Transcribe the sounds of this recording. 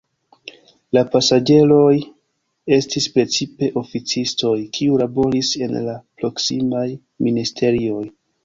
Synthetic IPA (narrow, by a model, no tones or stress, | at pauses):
lapasad͡ʒe̞lo̞j | e̞stispɾe̞t͡sipe̞ʔo̞fit͡sisto̞jkʰiulabo̞ɾise̞̰nlapɾo̞ksimaj | ministʰe̞ɾio̞j